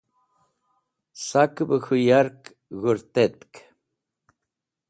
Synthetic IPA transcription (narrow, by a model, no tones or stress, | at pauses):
sakbəxujaɾk | ɣuɾt̪et̪k